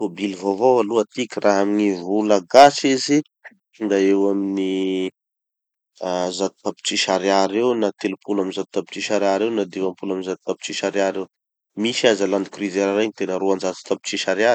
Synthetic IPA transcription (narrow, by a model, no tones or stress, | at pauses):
obilvovoaluat̪ikʲirʔaɦaminivulaɡasizi | nd̪aewamini | azat̪i̥t̪api̥t͡ʃiʃaɾaɾewnat̪elupulaminzat̪u̥t̪api̥t͡ʃiʃaɾaɾewnad̪ivampulaminzat̪u̥t̪api̥t͡ʃiʃaɾiaɾew | miʃazaland̪ikrizeɾaɾaɲit̪enəɾuand͡ʒat̪i̥t̪api̥t͡ʃiʃaɾaɾi̥